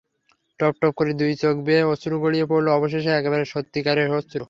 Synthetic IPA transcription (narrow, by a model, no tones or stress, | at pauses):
ʈɔp̚ʈɔp̚koɾid̪ujt͡ɕokbeosuɾuɡoɽijepoɾloɔboʃ̬eʃ̬eɛkeβaɾeʃot̪ːikaɾeɦot͡ɕuɾ